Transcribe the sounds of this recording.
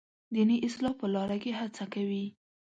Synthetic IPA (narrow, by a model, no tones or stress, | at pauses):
d̪iniʔɪslɑpəlɑɾakeɦat͡sakawi